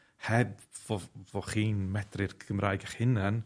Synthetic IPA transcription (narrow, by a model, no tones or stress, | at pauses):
hɛbvɔvɔχiːnmɛd̥rɪrɡʰəmrʔaːjɡaχhɪnan